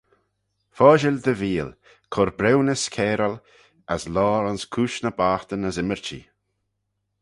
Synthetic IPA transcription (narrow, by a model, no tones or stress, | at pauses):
fɔːʒɪld̪əviːl | kʰɔɾbɾɛwnəskʰɛːɾəl | əslɔːɾanskʰuːʃnəbaːxt̪ənəzɪməɹt͡ʃḭ